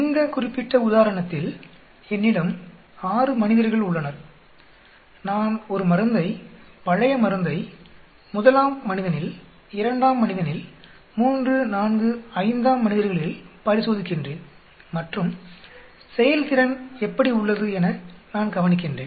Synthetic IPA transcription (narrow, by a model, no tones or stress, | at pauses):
ɪŋɡ̪ɐkʊrɪpːɪʈːɐʊðaːɾɐɳɐt̪ːɪl | ɛnːɪɽɯm | aːrɯmɐnɪðɐɾɣɐɭʊɭːɐnɐɾ | naːnɔɾɯmɐɾɯnd̪ɐɪpɐɻɐjɐmɐɾɯnd̪ɐɪ | mʊðɐlaːmːɐnɪðɐnɪl | ɪɾɐɳɖaːmːɐnɪðɐnɪl | muːndrɯnaːnɡɯɐɪnd̪aːmːɐnɪðɐɾɣɐɭɪlpɐɾɪsoːðɪkːɪndreːn | mɐʈrɯm | sɛjɐlkɪɾɐnɛpːɐɽiʊɭːɐðɯɛnɐnaːnɡɐʋɐnɪk̬ːɪndrḛːn